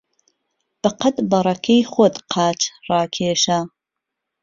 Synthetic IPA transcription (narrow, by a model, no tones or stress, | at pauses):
b̥ɐqɐt̪bɐrˤɐkʰejχʷot̪qʰɑːt͡ʃʰrɑːkʰeːʃa